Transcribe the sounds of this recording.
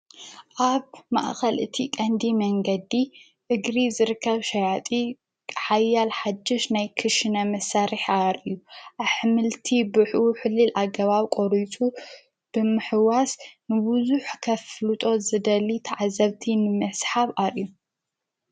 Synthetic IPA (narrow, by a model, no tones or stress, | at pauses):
ʔaβma̰ʔxɐlʔɨt̪ʰikʼɐnd̪imɐŋɡɐd̪i | ʔɨɡɾizɨɾɨkʰːɐβʃɐjat̪ʼi | kʼħajːalħad͡ʒ̪ːɪʃnajkʰɨʃɨnɐmɐsaɾiħʔaɾʔɨjːuʔaħmɨlt̪ʰibɨħʔuħɨlːɨlʔaɡɐβaβkʷʼoɾitʼu | b̥ɨmɨħɨwasnɨbuzuħkʰɐflɨt̪ʼo̞zɨd̪ɐlit̪ʰɐʕazɐβt̪ʰinɨmɐsħaβʔaɾʔiju